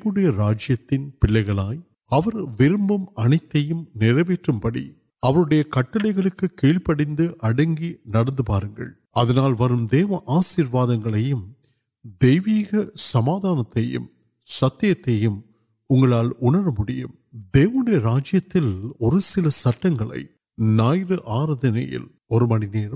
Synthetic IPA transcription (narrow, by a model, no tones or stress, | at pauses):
ʋɯɽɐjɐɾaːd͡ʒɪjɐt̪ːɪnpɪɭːɐɪɣɐɭaːj | ɐʋɐɾʋɪɾɯmbɐmɐɳɐɪt̪ːɐjɯmnɪɾɐʋeːʈrɯmpɐɽḭ | ɐʋɐɾɯɽɐjɐkɐʈːɐlɐɪɣɐɭɯkːɯkiːɭpɐɽɪnd̪ɯʔɐɽɐŋɡinɐɽɐnd̪ɯpaːɾɯŋɡɐ̰ɭ | ɐðɐnaːlʋɐɾɯmd̪eːʋɐʔaːsiːɾʋaːðɐŋɡɐɭɐjɯm | d̪ɛjʋiːɣɐsɐmaːðaːnɐt̪ːɐjɯ̰m | sɐt̪ːɪjɐt̪ːɐjɯm | ʊŋɡɐɭaːlʊɳɐɾɐmʊɽɪjɯ̰m | d̪eːʋɐnɯɽɐjɐɾaːd͡ʒɪjɐt̪ːɪlɔɾɯsɪlɐsɐʈːɐŋɡɐɭɐ̰ɪ | naːjɾɯʔaːɾɐðɐnɐ̰jɪ̰l | ɔɾɯmɐnɪneːɾ